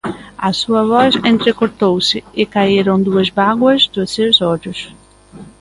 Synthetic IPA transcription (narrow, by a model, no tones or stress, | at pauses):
ɐsuɐvɔsẽnt̪ɾekoɾt̪owsɪɪkaeɾõw̃d̪uɐzbaɡwɐzd̪ʊsewzɔd͡ʒʊs